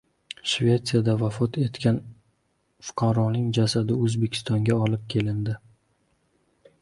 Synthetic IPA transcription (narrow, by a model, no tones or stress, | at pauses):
ʃvʲe̞t̪sijad̪avafɒt̪ʰe̞t̪kʲʰan | fʊ̥qʰɑɾɒnɪŋd͡ʒasad̪ɪɵzbekʲʰɪ̥st̪ɒŋɡʲaɒlɪp̚kʲʰe̞lɪnd̪ɪ